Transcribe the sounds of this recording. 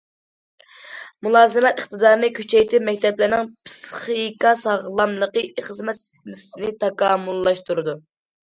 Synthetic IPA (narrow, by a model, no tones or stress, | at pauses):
mulˠɑːzɨmɛt̪əχt̪ɨd̪ɑːɾnɨkʲʰyt͡ʃʰɛjt̪ʰɪmɛk̚ʲt̪ʰɛplɪɾnɪŋpsχikɑsɑʁlˠɑmlˠəqəʔeχəzmɛt̪sɪ̥t̪ʰɪmɪsɪnɪt̪ʰɑkʰɑːmulˠːɑʃt̪uɾɨd̪u